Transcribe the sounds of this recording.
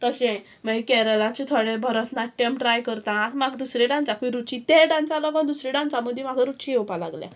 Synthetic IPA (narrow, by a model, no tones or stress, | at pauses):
t̪əɕɛ̃ | maikɛɾəlãt͡ɕit̪ʰoɽebʱəɾət̪naʈːemʈɾajkəɾt̪ãːt̪maɡd̪usɾɛɖãnt͡sakuiɾut͡ɕit̪eɖãnt͡salɔɡãnd̪usɾɛɖãnt͡saməd̪ʱjmaɡʱaɾut͡ɕijɛwpala̰ɡljɛ̰̃